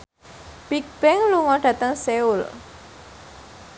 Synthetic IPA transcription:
b̥ik̚b̥ɛŋluŋɔɖä̤t̪əŋseul

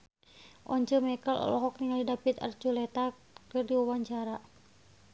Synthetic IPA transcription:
ʔɔɲt͡ʃəmɛkəlɔ̰lɔɦɔk̚t̪iŋaldidapit̪ə̰rt͡ʃulɛt̪a | kɨrdiwawaɲt͡ʃaɾa

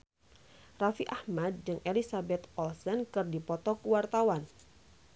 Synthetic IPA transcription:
rafiʔahmad̪̚d͡ʒɨŋʔelisabɛt̪ɔlsənkɨrdipɔt̪ɔkuwart̪awan

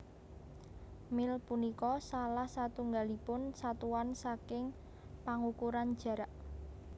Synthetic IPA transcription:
mɪlpunikɔsalahsat̪uŋɡalipʊnsat̪uwansakɪŋ | paŋukuɾand̥ʒ̥ä̤ɾaʔ

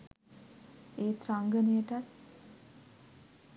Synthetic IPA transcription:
eːt̪ɾaŋɡənijəʈat̪̚

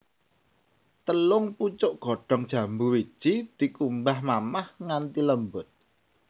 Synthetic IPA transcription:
t̪əlʊŋput͡ʃʊʔɡ̥o̤ɖ̥ɔ̤ŋd̥ʒ̥ä̤mbuwi̥ʒ̥id̪̥i̤kumbahmamahŋant̪iləmbʊt̪̚

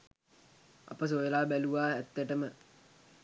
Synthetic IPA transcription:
a̰pəs̬ojelaːbæluʋaːæt̪ːəʈəmə

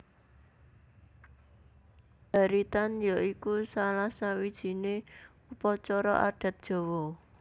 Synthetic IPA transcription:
b̥a̤ɾit̪anjaikusalahsawid̥ʒ̥i̤ne | upɔt͡ʃɔɾɔ̰ʔa̰ɖ̥a̤t̪̚d̥ʒ̥o̤wɔ

